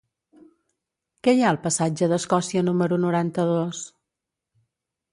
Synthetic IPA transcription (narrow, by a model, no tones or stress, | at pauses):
kɛjaəlˠpəsad͡ʒəðəskɔsiənuməɾunuɾant̪əðos